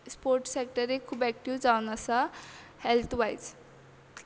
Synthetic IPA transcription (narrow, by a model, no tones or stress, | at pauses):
spoɾʈsek̚ʈʌɾekʰubɛk̚ʈiwd͡zawnʌsʌhelt̪ʰwajt͡s